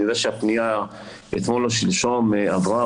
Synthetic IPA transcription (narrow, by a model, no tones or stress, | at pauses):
jod̪aʃeapnija | ḛt̪moloʃilʃomeavʁa